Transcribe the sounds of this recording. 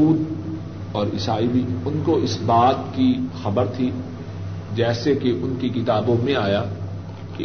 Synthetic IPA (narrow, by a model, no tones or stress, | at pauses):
uːd̪ | ɔːɾɪsaːibiʊnkoɪsbaːt̪kixɐbəɾt̪ʰi | d͡ʒɛːsekeʔʊnkekɪt̪aːbõmẽaːjaː | ke